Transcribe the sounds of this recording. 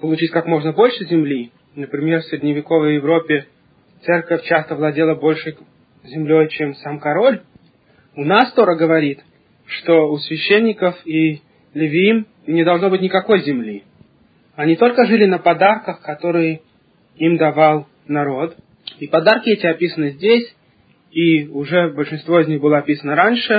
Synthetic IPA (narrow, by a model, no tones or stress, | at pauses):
pəlˠʊt͡ɕitʲkakmo̞ʐnəbo̞lʲʂɨzʲɪmlʲi | nəpɾʲɪmʲerfsʲɾʲɪdʲnʲɪvʲɪko̞vəjːɪvɾo̞pʲːɪ | t̪sɛrkəfʲt͡ɕast̪əvlˠɐdʲe̞lˠəbo̞lʲʂɨ | zʲɪmlʲo̞jt͡ɕemsamkɐɾo̞lʲ | ʊnast̪o̞ɾəɡəvɐɾʲit̪ | ʂt̪oʊsʲvʲɪɕːenʲːɪkəfi | lʲɪvʲɪim | nʲɪd̪ɐlˠʐno̞bɨtʲnʲɪkɐko̞jzʲɪmlʲi | ɐnʲit̪o̞lʲkəʐɨlʲɪnəpɐd̪arkəxkɐt̪o̞ɾɨjɪ | imd̪ɐvalˠ | nɐɾo̞t̪ | ipɐd̪arkʲɪɛtʲɪɐpʲisənɨzʲdʲesʲ | iʊʐɛbəlʲʂɨnst̪vo̞ɪzʲnʲixbɨlˠəɐpʲisənəɾanʲʂɨ